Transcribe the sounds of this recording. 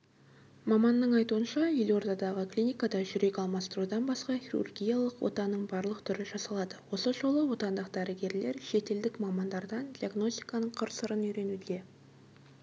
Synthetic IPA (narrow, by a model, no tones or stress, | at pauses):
mɑmɑnːəɴɑjt̪uənʃɑjelo̞ɾd̪ɑd̪ɑʁəklʲijnʲijkad̪ɑʒʏɾe̞kʲɑlˠmɑst̪ɾud̪ɑnbɑsqɑχʲiɾṵrɡʲijɑlˠəqwo̞̰t̪ɑnːəɴbɑɾlˠəqt̪ʰʏɾɪʒɑsɑlˠɑd̪əwo̞səʒo̞lˠəwo̞t̪ɑnd̪əqd̪æɾɪɡʲe̞ɾle̞ɾʃe̞t̪e̞ld̪ɪkmɑmɑnd̪ɑɾd̪ɑnd̪ʲijaɡno̞st̪ʲijkɑnəɴqʰəɾsəɾənʏjɾe̞nud̪e̞